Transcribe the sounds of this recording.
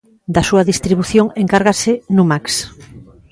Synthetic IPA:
d̪ɐsuɐðist̪ɾiβuθjoŋeŋkaɾɣasɪnumaks

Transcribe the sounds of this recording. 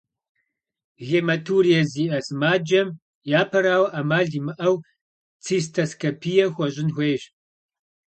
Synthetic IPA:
ɣeːmɐtʰuːɾijɐziːʔɐsɨmaːd͡ʒɐm | jaːpʰɐɾaːwɐʔamaːɮimɨʔɐw | t͡sʰiːstʰɐskʰɐpʰijɐxʷɐɕʼɪnxʷeːɕ

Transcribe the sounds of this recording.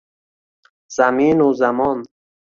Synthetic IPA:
z̥aminuzamɔn

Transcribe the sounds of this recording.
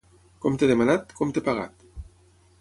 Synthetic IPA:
kɔmt̪eðemanat̪kɔmt̪epaɣa̰t̪

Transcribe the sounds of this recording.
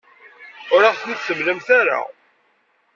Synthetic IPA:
ʊɾaʁθniθsəmlæmθæɾa̰

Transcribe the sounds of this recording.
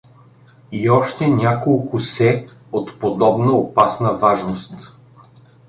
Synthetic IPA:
iɔʃt̪ɛnʲakolˠkʊsɛ | ot̪pod̪ɔbnəopasnəvaʒnost̪

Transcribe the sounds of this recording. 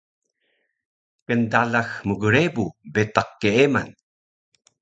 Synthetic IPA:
kəndalaxmuɡəɾebubet̪aqːeema̰n

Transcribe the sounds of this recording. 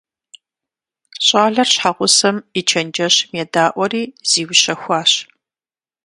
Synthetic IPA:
ɕʼaːɮɐrɕħaʁʷʊsɐmit͡ʃʰɐnd͡ʒɐɕmedaːʔʷɔɾiːz̥iːwɕɐxʷɑːɕ

